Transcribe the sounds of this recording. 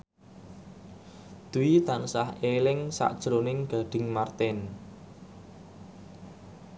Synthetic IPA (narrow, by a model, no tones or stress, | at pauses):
d̪̥uwit̪ansahelɪŋsa̰ʔd̥ʒ̥ɾonɪŋɡ̥a̤ɖ̥ɪ̤ŋmart̪ɛn